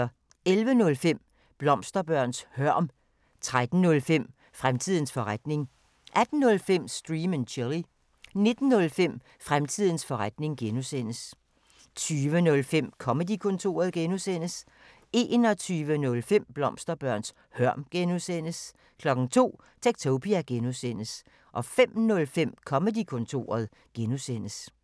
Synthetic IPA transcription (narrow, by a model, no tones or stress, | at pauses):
elʋənɔ̽lfem̰ | b̥lɒ̽msd̥ɐb̥ɶɐ̰nshɶɐ̰m | t͡sʰʁad̥n̩nɔ̽lfem̰ | fʁamt͡sʰið̞̰ˠn̩sfɒ̽ʁad̥ne̝ŋ | ʔæd̥n̩ːɔ̽lfem̰sd̥ʁiːmənɕʰeli | ne̝d̥n̩ːɔ̽lfem̰ | fʁamt͡sʰið̰ˠn̩sfɒ̽ʁad̥ne̝ŋɡ̥enusen̰əs | t͡sʰyːʋənɔ̽lfem̰kʰɒ̽məd̥ikʰɔ̽nt͡sʰo̝̰ːɐð̞ˠɡ̥enusen̰əs | e̝nɒ̽t͡sʰyːʋənɔ̽lfem̰b̥lɒ̽msd̥ɐb̥ɶɐ̰ns | hɶɐ̰mɡ̥enusen̰əs | kʰlɒ̽ɡ̥ŋ̩t͡sʰo̝̰ː | t͡sʰeɡ̥̚t͡sʰoʊpʰiæɡ̥enusen̰əs | ʔɒ̽fem̰nɔ̽lfem̰kʰɒ̽məd̥ikʰɔ̽nt͡sʰo̝̰ːɐðˠ | ɡ̥enusen̰əs